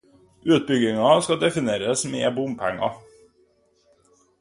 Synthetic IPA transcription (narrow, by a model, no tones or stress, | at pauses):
ʔʉːt̪̚bʏɡɪŋɑskɑd̪ɛfɪneːɾəsmḛːbʊmpʰɛ̰ŋːɑ̰